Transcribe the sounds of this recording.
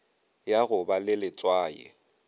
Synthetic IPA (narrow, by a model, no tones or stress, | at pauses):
jaɣʊbalɪlɪt͡sʼwaːjɛ̰